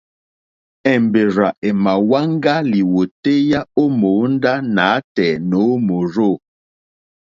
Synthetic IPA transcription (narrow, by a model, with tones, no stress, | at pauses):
ɛ˨mbe˨ɾa˨ʔe˨ma˨wa˦ŋ˦ɡa˦li˨wo˨te˦ja˦o˦mo˨˦n˦da˦na˨˦tɛ˨no˨˦mo˨ɾo˦˨